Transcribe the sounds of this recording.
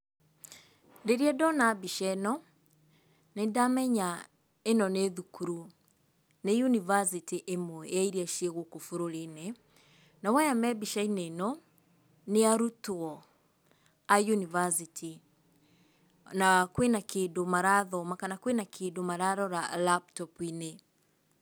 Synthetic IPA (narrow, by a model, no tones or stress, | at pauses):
deɾiɛdɔnabiʃɛnɔ | nedamɛɲa | enɔneðukuɾu | nejunivas̬itiʔemwɛaiɾiaʃeɣokofoɾoɾenɛ | nawɛjamɛbiʃainenɔ | neaɾutoɔ | ajunivasitʰi | nakwenakeːdomaɾaðɔmakanakwenakʰedomaɾaðɔɾalap̚tɔpine